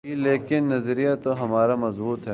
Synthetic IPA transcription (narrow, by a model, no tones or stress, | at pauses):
ileːkɪnːɐzɾijat̪ːoɦɐmaːɾamɐzbuːt̪ɦɛ